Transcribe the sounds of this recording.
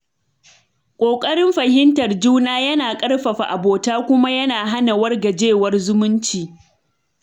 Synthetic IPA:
kʷʼoː˨kʼɐ˦ɽɪ˦mɸɐ˨hɪ˦ntɐ˨rd͡ʒuː˦naː˦jɐ˦naː˨kʼɐ˦rɸɐ˨ɸa˨ʔa˨boː˨taː˦kʷʊ˦ma˦jɐ˦naː˨ɦa˦na˨wɐ˦rɡa˨d͡ʒeː˦˨wɐ˦rzʊ˦mʊ˦nt͡ʃiː˨

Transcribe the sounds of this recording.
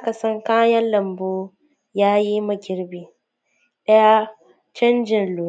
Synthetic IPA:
ka˨sɐ˦ŋkaː˦jɐ˦nlɐ˨mboː˦ | jaː˦ji˦mɐ˨ɡʲɪ˨ɾbiː˨ | ɗɐ˦ja˦ | t͡ʃɐ˦nd͡ʒɪ˨nluː˨

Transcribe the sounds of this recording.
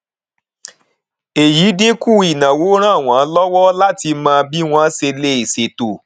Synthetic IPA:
e˨ji˨˦de˦ku˦˨i˨nã˨wo˨˦ɾ̃ã˦˨w̃ã˨˦lɔ˦wɔ˦la˦ti˧mãː˧bi˦w̃ɔ̃˦se˧le˦i˨se˨to˨

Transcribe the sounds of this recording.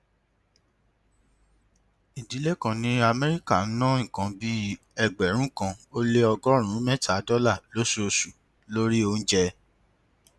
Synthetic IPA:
i˨di˨˦le˦kã˨nĩ˦a˧mɛ˦ɾi˦ka˦˨˦nɔ̃˦ŋ̩̃˨kã˧bi˦ | ɛ˨ɡ͡bɛ˨ɾ̃ũ˨˦kã˧o˦le˦ɔ˧ɡɔ˦ɾ̃ũ˨˦mɛ̃˦ta˨˦dɔ˦la˦˨lo˨˦su˦o˧su˨ | lo˦ɾi˦o˧n̩˦d͡ʒɛ˧

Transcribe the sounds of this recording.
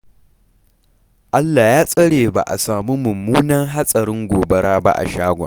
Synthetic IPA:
ʔa˦lːaː˨jaː˦sʼɐ˦ɽeː˨ba̰˨ʔa̰˨saː˨mi˦mʊ˨mːuː˦nɐ˦ŋɦa˦sʼɐ˨ɾɪ˦ŋɡʷoː˨bɐ˦ɽaː˦ba̰˦ʔa̰˨ʃaː˦ɡʷa̰ː˨

